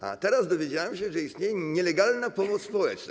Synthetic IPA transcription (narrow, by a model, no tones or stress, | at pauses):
a̰t̪ɛɾazd̪ɔvʲjed͡ʑawamɕɛʐɛist̪ɲejɛɲɛlɛɡalnapɔmɔt̪sspɔwɛt͡ʂna̰